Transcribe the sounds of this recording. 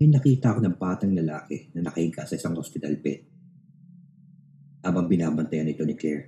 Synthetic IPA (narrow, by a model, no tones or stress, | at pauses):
ɪjnɐkiːt̪ɐʔɐko̞nɐŋpaːt̪ɐŋlɐlaːkɛnɐnɐkɐhɪŋkaʔsɐʔɪsaŋhospɪt̪ɐlbɛ̰t̪̚ | ʔaːbɐŋbɪnaːbɐnt̪ɐjanɪt̪o̞nɪklɛɹ